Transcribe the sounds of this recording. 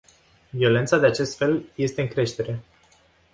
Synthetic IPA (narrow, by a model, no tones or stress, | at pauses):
vio̞le̞nt̪sad̪e̞at͡ʃe̞st̪fe̞lje̞st̪e̞ɨŋkɾe̞ʃt̪e̞ɾe̞